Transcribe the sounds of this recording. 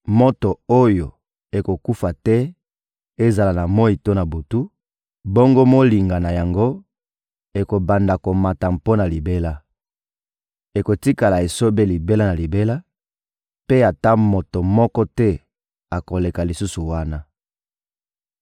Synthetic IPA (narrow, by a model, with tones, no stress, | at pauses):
mo˦to˨o˦jo˨ | e˨ko˨ku˦fa˨tɛ˦ | e˦za˨la˨na˨mɔ˦i˨to˦na˨bu˨tu˦ | bo˦ŋɡo˦mo˦li˨ŋɡa˨na˨ja˨ŋɡo˦ | e˨ko˨ba˨nda˨ko˨ma˨ta˨mpo˦na˨li˨be˦la˦ | e˨ko˨ti˦ka˨la˨e˨so˦be˦li˨be˦la˦na˨li˨be˦la˦ | pe˦a˨ta˦mo˨to˨mɔ˦kɔ˦tɛ˦ | a˨ko˨le˨ka˨li˨su˦su˨wa˦na˦